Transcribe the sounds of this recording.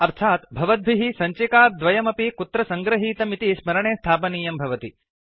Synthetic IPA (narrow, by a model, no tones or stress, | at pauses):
ɐɾt̪ʰaːt̪bʱɐʋɐd̪̚bʱiɦisɐɲt͡ʃekaːd̪ʋɐjɐmɐpikut̪ɾɐsɐŋɡɾɐɦiːt̪ɐmit̪ismɐɾɐɳeːst̪ʰaːpɐniːjɐmbʱɐʋɐt̪i